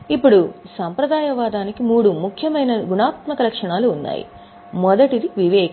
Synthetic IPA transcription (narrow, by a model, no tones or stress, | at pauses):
ipːuɽusɐmpɾɐd̪aːjɐʋaːd̪aːnikimuːɽumukʰjɐmɐjnɐɡunaːt̪mɐkɐlɐkʂɐɳaːluːnːa̰ːjḭ | mɔd̪ɐʈid̪iʋiʋɛːk